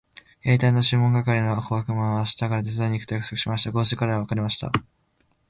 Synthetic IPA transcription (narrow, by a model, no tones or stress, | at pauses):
e̞ːt̪aino̞ɕɨ̃mõ̞ŋɡakaɾʲino̞akoɡakɯ̟mãɰ̃aaːɕi̥t̪aɡaɾad̪esɨeɲ̟ikt̪o̞jakɯ̟̥so̞kɯ̟̥ɕimaɕi̥t̪aɡo̞ːsɨkaɾeaβakaɾʲimaɕi̥t̪a̰